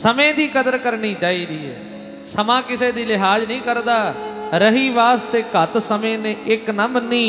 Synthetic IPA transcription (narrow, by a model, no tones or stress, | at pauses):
səmẽːd̪iːkəd̪əɾkəɾɳiːt͡ʃaːiːɾiːɦɛ̰ː | səmãːkɪseːd̪iːlɪɦaːd͡ʒnĩːkəɾd̪aːɾəɦiːʋaːst̪eːkət̪səmẽːnẽːʔɪknãːmənːĩː